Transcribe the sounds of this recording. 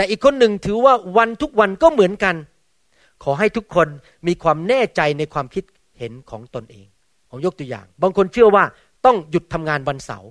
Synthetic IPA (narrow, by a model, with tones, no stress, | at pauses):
t̪ɛː˨˩ʔiː˨˩kʰːo˧nːɯ˨ŋt̪ʰɯː˩˦waː˥˩wa˧nt̪ʰu˦˥k̚wa˧nkɔː˥˩mɯ˩˦ənka˧n | kʰɔː˩˦ɦa˥˩jt̪ʰu˦˥kʰːo˧n | miː˧kʰwaː˧mnɛː˥˩t͡ɕa˧jna˧jkʰwaː˧mkʰi˦˥t̪̚ | he˩˦nkʰɔː˩˦ŋt̪o˧nʔḛː˧ŋ | pʰo˩˦mjo˦˥k̚t̪u˧əja̰ː˨˩ŋbaː˧ŋkʰo˧nt͡ɕʰɯ˥˩ɐwaː˥˩ | t̪ɔ˥˩ŋju˨˩t̪ʰːa˧mŋaː˧nwa˧nsa̰˩˦w